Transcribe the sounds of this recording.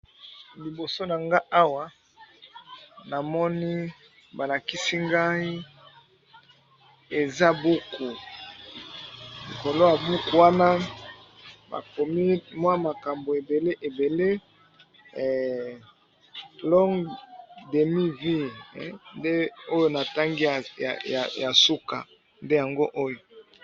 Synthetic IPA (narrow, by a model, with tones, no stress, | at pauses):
li˨bo˨so˦na˨ŋɡa˦ʔa˦wa˦ | na˨mɔ˦ni˦ | ba˨la˨ki˦si˦ŋɡa˦i˦ | e˨za˦bu˦ku˨ | lḭ˨ko˨lo˦a˨bu˦ku˨wa˦na˦ | ba̰˨ko˨mi˦mwa˦ma˨ka˨mbo˨e˨be˨le˦ʔe˨be˨le˦˨ | lɔ˦ŋɡde˨mi˦vi˦˨˦nde˦o˦jo˦na˨ta˦ŋɡi˦a̰˨ja̰˨ja˨su˦ka̰˨ | nde˦ja˨ŋɡo˦ʔo˦jo˨